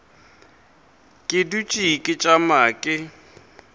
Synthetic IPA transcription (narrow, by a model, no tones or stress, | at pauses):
kʼɪdut͡ʃʼikʼɪt͡ʃʼamaːkʼɪ